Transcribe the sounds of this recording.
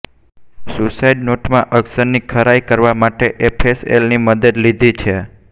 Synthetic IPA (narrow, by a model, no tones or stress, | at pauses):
susaiɖnoʈmãʔəɡsəɾnikʰəɾajkəɾʋamaʈeʔepʰesḛlniməd̪əd̪lid̪ʱit͡ʃʰe